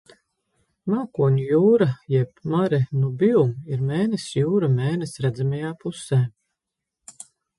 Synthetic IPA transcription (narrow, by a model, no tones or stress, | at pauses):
maːkuɔɲʲujuːɾajɛpmaɾɛnubiumiɾmeːnɛsjuːɾameːnɛsɾæd̪zamajaːpusɛː